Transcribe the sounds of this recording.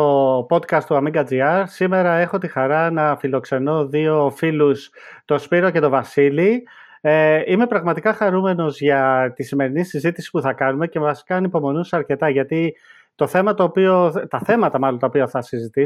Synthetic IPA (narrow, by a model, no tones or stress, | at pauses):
opo̞d̪kɐst̪t̪uɐmiŋɡɐd͡ziɐɾsime̞ɾɐe̞xo̞t̪ixɐɾɐnɐfilo̞kse̞no̞ðio̞filus | t̪o̞spiɾo̞ce̞t̪o̞vɐsili | eime̞pɾɐɣmɐt̪ikɐxɐɾume̞no̞zʝɐt̪isime̞ɾinisizit̪i̥si̥puθɐkɐnume̞ce̞vɐsi̥kɐːnipo̞mo̞nusɐɾce̞t̪ɐʝɐt̪i | t̪o̞θe̞mɐt̪o̞ːpio̞t̪ɐθe̞mɐt̪ɐmɐlont̪ɐopiɐθɐsizit̪i